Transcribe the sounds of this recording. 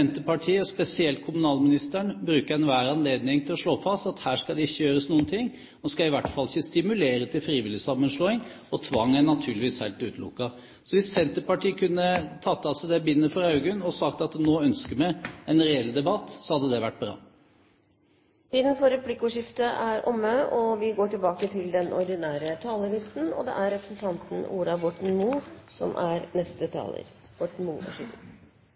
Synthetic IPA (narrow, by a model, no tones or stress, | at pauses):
ɛnt̪əpɑʈʰiːəɔspɛsɪɛlt̪̚kʰʊmʉnɑːlmɪnɪst̪əɳbɾʉːkəɾɛnʋæːɾɑnleːd̪nɪŋt̪ʰɪlɔʂɭoːfɑst̪ɑt̪hæːʂkɑd̪ɛɪçːəjøːɾəsnuːənt̪ʰɪŋː | nɔskɑɪʋæʈfɑlɪçːəst̪ɪmʉleːɾət̪ʰɪlfɾiːʋɪlɪsɑmːənʂloːɪŋ | ɔt̪ʰʋɑŋːænɑt̪ʰʉːɭɪʋiːshæɪlt̪ʉːt̪lʊ̰kːɑ | sɔʋɪssɛnt̪əpɑʈiːəkʰʉnːət̪ʰɑt̪ːɑlsɔd̪ɛbɪnːəfɔɾɑʉɡʉnɔsɑkt̪ɑt̪noːœnskəɾmɛɛnɾɛɛld̪ɛbɑt̪ːsɔhɑd̪ːəd̪ɛʋæʈ̚ːbɾɑ̰ː | t̪iːd̪ən̩fɔɾɛpʰlɪkːʊːʂɪft̪əʔæɾɔmːəʔɔʋɪɡoːʈɪlbɑːkət̪ʰɪld̪ɛnɔ̰ɾd̪ɪnæːɾət̪ʰɑːləlɪst̪n̩ɔ̰d̪ɛ̰ʔæɾɛpɾəsn̩t̪ʰɑnt̪n̩ṵːɾɑbɔʈɳ̩muːsɔ̰mʔæɾnɛst̪ət̪ʰɑ̰ːlə̰ɾ | b̥ɔʈn̩muːɔ̰ʂɪfə